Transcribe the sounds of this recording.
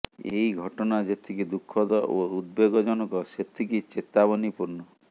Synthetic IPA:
eiɡʱɔʈɔnad͡ʒet̪ʰikid̪ukʰːɔd̪ɔoud̪̚beɡɔd͡ʒɔnɔkɔset̪ʰikit͡ʃet̪abɔnipuɾnɔ

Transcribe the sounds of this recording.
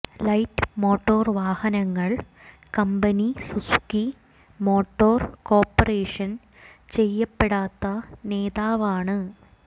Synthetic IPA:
lɐjʈːɨ̥mo̞ːʈːoːrʋaːhɐnɐŋːɐɭ | kɐmbɐnisuski | mo̞ːʈːo̞ːrko̞ːpːɐreːʂɐn | t͡ɕe̞jːɐpːeɽaːt̪ːɐne̞ːðaːʋaːɳɨ

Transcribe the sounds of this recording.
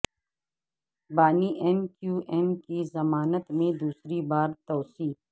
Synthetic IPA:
baːniʔɛnkjuːʔɛnkizɐmaːnət̪mẽd̪uːsɾibaːɾt̪ɔːsiː

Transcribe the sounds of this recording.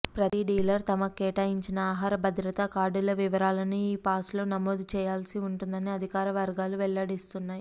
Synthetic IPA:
pɾɐt̪iɖiːlɐɾt̪ɐmɐkɛːʈaːjiɲt͡ʃinɐaːɦaːɾɐbʱɐd̪ɾɐt̪ɐkaːɖulɐʋiʋɐɾaːlɐniiːpaːslo̞ːnɐmoːd̪ut͡ʃɛːjaːlsiuɳʈund̪ɐniɐd̪ʱikaːɾɐʋɐɾɡaːluʋɛɭːɐɽist̪unːaːji

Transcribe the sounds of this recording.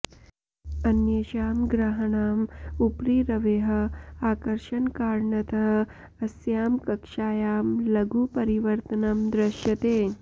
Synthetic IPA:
ɐnjɐʃaːmɡɾaɦɐɳaːmupɾiːɾɐʋeːɦɐ̆aːkɐɾʂɐnkaːɾɳɐt̪ɐɦ | ɐsjaːmkɐkʂaːjaːmlɐɡuːpɐɾiʋəɾt̪ənɐmd̪ɾɐʃjɐt̪eː

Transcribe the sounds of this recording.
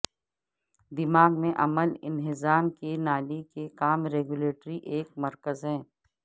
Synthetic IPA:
d̪ɪmaːɡmẽʔɐməlɪ̰nɦɪzaːmkenaːlikekaːmɾeːɡuleːʈɾiʔeːkmɐɾkəzɦɛ̃ː

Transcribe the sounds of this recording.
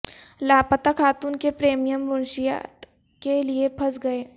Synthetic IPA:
laːpət̪akʰaːt̪uːnkepɾeːmijəmʋʊnʃija̰t̪ | keliepʰɐsɡɐeː

